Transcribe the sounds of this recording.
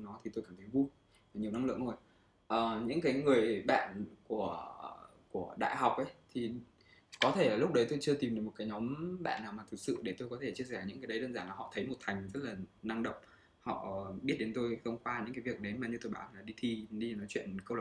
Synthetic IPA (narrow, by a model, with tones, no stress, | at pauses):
nɔ˨˦t̪ʰi˨˩t̪o˧jkaː˧˩mt̪ʰə˨˦jvu˧j | ɲi˨˩əwna˧ŋlɨ̰˧˨əŋzo˧j | ʔəː˨˩ɲɨ̰˧˥kaː˨˦jŋɨ˨˩əjɓa̰ː˧˨nku˧˩ə | ku˧˩əɗa̰ː˧˨jɦa˨˩wk͡p̚ʔə˨˦jt̪ʰi˨˩ | kɔ˨˦t̪ʰe˧˩˨lʊ˦˥k͡p̚ɗə˨˦jt̪o˧jt͡ɕɨ˧ət̪i˨˩mɗɨ˨˩mo˨˩t̚kaː˨˦jɲɔ˨˦mɓa̰ː˧˨nːaː˨˩wmaː˨˩t̪ʰɨ˨˩k̚sɨ̰˧˨ɗe˧˩t̪o˧jkɔ˨˦t̪ʰe˧˩t͡ɕi˧əsɛ˧˩ɲɨ̰˧˥ŋkaː˨˦jdə˨˦ɗəː˧nzaː˧˩laː˨˩hɔ̰˧˨t̪ʰə˨˦jmo˨˩t̚t̪ʰa˨˩jŋ̟zə˦˥t̚laː˨˩na˧ŋɗə̰˧˨wŋ͡m | hɔ̰˧˨˩ɓi˦˥t̚ɗe˨˦nt̪o˧jt̪ʰə˧wŋ͡mkwaː˧ɲɨ̰˧˥kaː˨˦vi˨˩ək̚ɗe˨˦jmaː˨˩ɲɨ˧t̪o˧jɓaː˧˩˨laː˨˩ɗi˧t̪ʰi˧ɗi˧˨nɔ˨˦t͡ɕwḭ˧˨ənkə˧w